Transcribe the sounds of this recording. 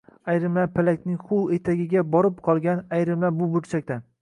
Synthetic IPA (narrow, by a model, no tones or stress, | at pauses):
ajɾɪmlapʰalakʲnɪŋχʊwˠet̪ʰaɡʲɪɡʲabɒɾɪp̚qʰɒlˠɡʲanajɾɪmlabʊbʊɾt͡ʃʰak̚ʲt̪an